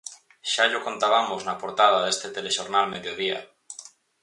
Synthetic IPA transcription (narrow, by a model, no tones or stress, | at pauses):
ʃaʎoko̞nt̪aβ̞amoznapoɾt̪að̞aðe̞st̪et̪eleʃoɾnalmeðjoðia̰